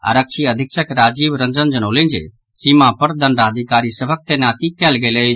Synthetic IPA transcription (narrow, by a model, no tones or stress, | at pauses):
a̰ɾəkʃʰiɐd̪ʱɪkʃəkɾaːd͡ʒiːbɾɐ̃nd͡ʒə̃nd͡ʒənoːlẽːd͡ʒḛ | siːmãpɐɾd̪ɐ̃ɳɖaːd̪ʱɪkaːɾisɐbʱək̚t̪enaːt̪ikɛːlɡeleː